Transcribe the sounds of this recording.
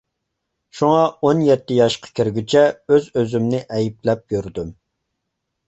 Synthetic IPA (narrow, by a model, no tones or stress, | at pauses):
ʃuŋɑonjɛt̪ːɪjɑʃqʰɑ̥kʲʰiɾɡʲyt͡ʃʰɛøzøzymnɪʔɛjiplɛp̚jyɾd̪ym